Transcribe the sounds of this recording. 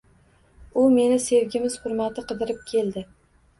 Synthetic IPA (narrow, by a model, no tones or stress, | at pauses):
ʊme̞nɪse̞vɡʲɪmɪz̥χʊɾmat̪ɪqɨd̪ɪɾɪp̚kʲʰe̞ld̪ɪ